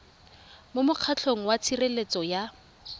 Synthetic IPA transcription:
mʊmʊq͡χʰat͡ɬʰoŋ̩wat͡sʰirelet͡sɔja

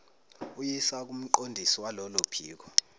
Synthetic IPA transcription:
ujisak̬um̩ǃondʱisiwalɔlopʰiːk̬ɔ

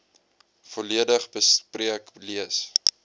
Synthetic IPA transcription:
fɔliədəχbəspriəkliəs

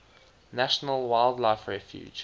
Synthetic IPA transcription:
næʃənəlwaɪlˠdlaɪfɹɛfjṵ̥ːd͡ʒ

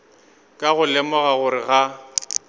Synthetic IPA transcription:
kʼaɣʊlɛmɔɣaɣʊɾɪɣa

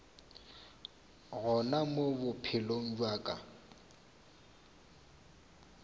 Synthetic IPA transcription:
ɣɔnamobʊpʰɪloŋ̩d͡ʒwaːkʼa̰

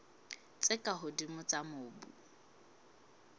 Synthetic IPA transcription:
t͡sʼɪkʼaɦʊdimʊt͡samʊːbṵ

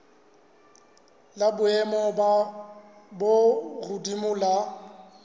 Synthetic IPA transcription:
labʊɛmɔba | borʊdimʊla

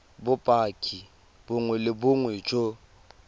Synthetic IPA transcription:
bʊpʼakʼi | bʊŋwɛlɪbʊŋwet͡ʃʼo

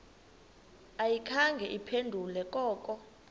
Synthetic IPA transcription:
ajikʰaŋɡʱɛʔipʰendʱulɛkʼɔːkʼɔ

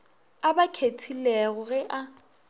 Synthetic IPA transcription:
abakʰetʰilɛɣʊɣɛʔa

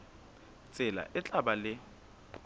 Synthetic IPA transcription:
t͡sʼɪla̰ʔɪt͡ɬʼaɓalɪ

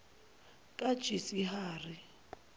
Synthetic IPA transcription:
kʼḁt͡ʃʰʼisiɦaːrɪ

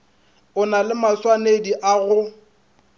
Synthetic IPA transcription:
ʊnalɪmaswanediʔaɣʊ

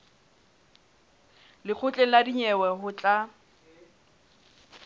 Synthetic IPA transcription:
lɪk͡xʰʊt͡ɬʼɛladiɲɛwɛɦʊt͡ɬʼa

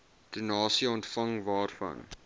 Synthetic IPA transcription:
d̥ənɑːsiəɔntfɐŋvɑːrfɐ̰n

